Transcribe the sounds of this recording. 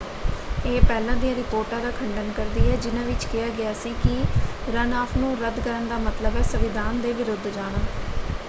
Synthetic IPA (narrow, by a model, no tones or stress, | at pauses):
eːpɛːlãːd̪ijãːɾɪpoːɾʈãːd̪aːkʰəɳɖənkəɾd̪iːɦɛːd͡ʒɪnãːʋɪt͡ʃkɪjaːɡɪjaːsiːkɪɾənaːpʰnũːɾəd̪kəɾəɳd̪aːmət̪ləbɛːsəʋɪd̪ʱaːnd̪eːʋɪɾʊd̪ʱd͡ʒaːɽaː